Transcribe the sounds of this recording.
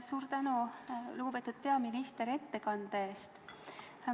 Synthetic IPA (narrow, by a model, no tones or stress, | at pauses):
suːɾt̪ænuluɡub̥e̞t̪ːˑud̪̥̚pe̞ɑminist̪e̞ɾe̞t̪ːe̞kɑnd̪̥eeːst̪